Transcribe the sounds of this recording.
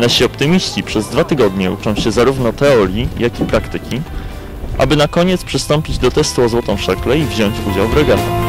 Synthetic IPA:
naɕiɔpt̪ɘmʲiɕt͡ɕipʂɛzd̪vat̪ɘɡɔd̪ɲɛut͡ʂɔ̃w̃ɕɛzaɾuvnɔt̪ɛɔɾʲjijakʲipɾakt̪ɘkʲi | ʔa̰bɘnakɔɲɛt̪spʂɘst̪ɔmpʲid͡ʑd̪ɔt̪ɛst̪uɔzwɔt̪ɔ̃w̃ʂɛklɛivʑɔɲt͡ɕud͡ʑawvɾɛɡat̪ɛ

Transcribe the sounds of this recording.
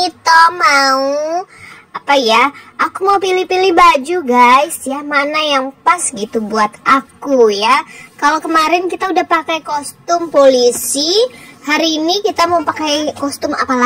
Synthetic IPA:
it̪omau | apajaʔakumaupilipilihbad͡ʒuɡajsjamanajaŋpasɡit̪ubuat̪ʔakujakalowkəmaɾɪnkit̪audahpakajkɔst̪ʊmpolisihaɾiːnikit̪amaupakajkɔst̪ʊma̰pala

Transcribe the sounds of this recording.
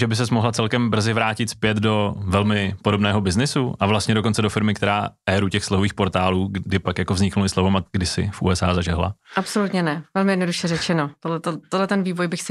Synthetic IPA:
ʒɛbɪs̬ɛsmoɦlat͡sɛlkɛmbr̩zɪvɾaːcɪt̪spjɛt̪do̞vɛlmɪpodo̞bnɛːɦo̞bɪznɪsuʔavlast̪ɲɛdo̞ko̞nt͡sɛdo̞fɪɾmɪkt̪ɛɾaːʔɛːɾucɛxslɛɦoviːxpo̞ɾt̪aːluːdɪpakjako̞vzɲɪknulɪslovomaɡdɪsɪ̰fṵɛsaːzaʒɛɦla̰ʔapso̞lut̪ɲɛnɛvɛlmɪjɛdnoduʃɛrɛt͡ʃɛnot̪odlɛt̪ot̪odlɛt̪ɛnviːvojbɪxsɪ

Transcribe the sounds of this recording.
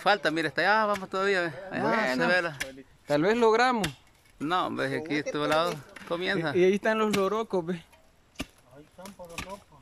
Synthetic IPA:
falt̪amiɾest̪ajaβamost̪oðaβiaβea̰jaeβela | t̪alβesloɣɾamos | nõbesakit̪olaðokomjensaiait̪anloloɾokobe

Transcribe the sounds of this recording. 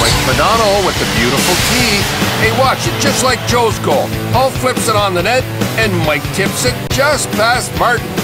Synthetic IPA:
maɪk̚mɨdɑnowɨðɨbjʉɾəfl̩ˠtʰieɪwɑt͡ʃɨt̚d̥ʒ̥ʌstˡlaɪk̚d̥ʒ̥oʊzɡoʊlˠɔlˠflɪpsɨɾn̩ðənɛɾɨ̃nmaɪk̚tʰɪ̃psɨt̚d̥ʒ̥ʌstfæst̚mɑɹʔn̩

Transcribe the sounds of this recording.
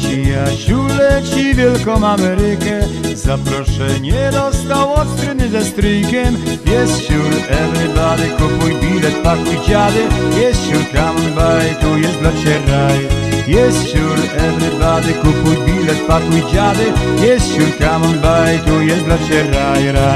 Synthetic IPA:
t͡ɕijaɕulɛt͡ɕivʲjɛlkɔmamɛɾɪkɛzapɾɔʂɛɲɛɾɔzd̪awɔt̪kɾɪnɪzɛst̪ɾijkʲɛmjɛst̪ɕuɾɛvɾɪbad̪ɪkupujbʲilɛt̪̚pakujd͡ʑavɪjɛst̪ɕuɾkamɔnbajt̪ujɛsblat͡ɕɛɾajjɛst̪ɕuɾɛvɾɪbad̪ɪkupujbʲilɛt̪̚pakujd͡ʑavɪjɛst̪ɕuɾkamɔnbajt̪ujɛsblɔt͡ɕɛɾajɾa

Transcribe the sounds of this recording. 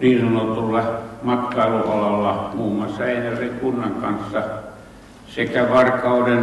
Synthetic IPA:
niːnsɑnot̪ulːɑmɑt̪kɑˑiluolɑlːɑmuːmːˑɑsːɑeˑinæseŋkunːɑŋkɑ̰nsːɑ | sekæʋɑrkɑuden

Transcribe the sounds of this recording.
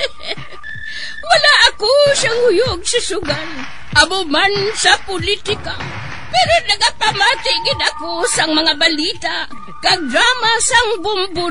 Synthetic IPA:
walaʔːkoʃahʊjʊɡ̚sasʊɡan | ʔamʊmansapʊlit̪ɪka | pɛɾonɐɡapamaːt̪ɪɡɪd̪akosaŋmɐŋabalit̪aʔ | kaɡɾamasaŋbʊmbʊ

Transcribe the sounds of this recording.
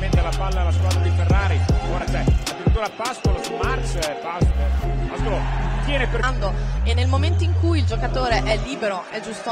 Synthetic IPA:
ment̪ealapalːalaskwaːd̪ɾad̪iferːaːɾiɡwaɾd̪at͡ʃɛlad͡ʒoɾat̪uːɾaɛpːast̪olasulmart͡ʃɛpasɛast̪ɾot̪jɛːneperand̪oenːelmoment̪oiŋkujild͡ʒokat̪oːɾeʔɛlːiːbeɾoʔɛd͡ʒːust̪o

